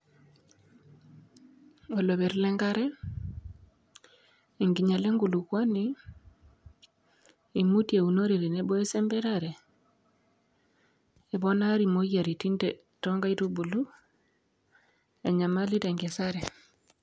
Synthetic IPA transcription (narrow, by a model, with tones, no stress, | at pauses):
o˨lo˨βe˨ɾlɛ˦ŋɡa˦ɾɛ˦ | e˨ŋɡi˨ɲa˨le˦ŋɡu˨lu˨kwa˦ni | i˨mu˦tje˨u˨no˦ɾe˨ɾe˨ne˦bɔ˦e˦sɛ˦mbɛ˦ɾa˨ɾɛ˨ | e˨βɔ˦na˦ɾi˨mo˦ɣa˨ɾi˨ti˦nde˨ | to˦ŋɡa˦i˦tu˦bu˨lu˦ | e˨ɲa˨ma˦li˦te˨ŋɡe˨saɾɛ˨